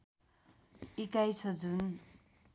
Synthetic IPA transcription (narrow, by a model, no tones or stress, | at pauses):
ikajsʰʌd͡zun